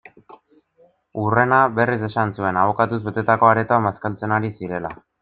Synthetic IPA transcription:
ure̞naβe̞rise̞sansue̞naβo̞kat̪uzβe̞t̪e̞t̪ako̞aɾe̞t̪oamaskalt͡se̞naɾisiɾe̞la

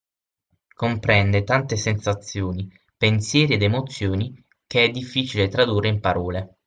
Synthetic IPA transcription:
kompɾɛnd̪et̪ant̪esensat̪sːjoːni | pensjɛːɾied̪emot̪sːjoːni | keɛd̪ːifːiːt͡ʃilet̪ɾad̪ureimpaɾɔːle

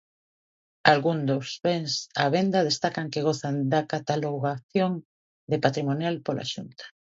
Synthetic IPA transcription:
alɣund̪osβeŋsaβend̪aðest̪akaŋkeɣoθand̪akat̪aloɣaθjoŋ | d̪epat̪ɾimonjalpola̰ʃunt̪ḁ

